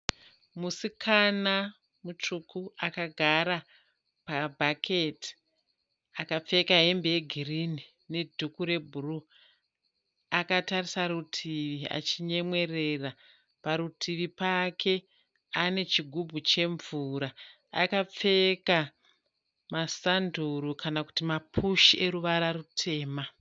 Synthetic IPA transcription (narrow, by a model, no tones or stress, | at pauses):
musikʰana | mut͡ʂukuakaɡʱaɾa | pabʱakʰeti̥ | akap͡fe̞kaɦe̞mbeeɡʱirini | ne̞dʱukuɾe̞bʱuru | akatarisaɾutʰiʋia̰t͡ʃiɲe̞mwe̞re̞ra | paɾutʰiʋipakʰe̞ | ane̞t͡ʃiɡʱubʱut͡ʃe̞ɱvuɾa | a̰kap͡fe̞ka | masanduɾukanaku̥timapʰuʃiʔeɾuʋaɾarutʰe̞ːma